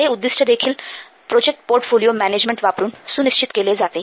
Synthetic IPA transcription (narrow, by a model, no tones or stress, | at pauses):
eud̪ːisʈʰad̪ekʰil | pɾod͡ʑek̚ʈpoɾʈfʰolijomɛned͡ʑmeɳʈʋapɾunsuniʃt͡ɕit̪keled͡ʑat̪e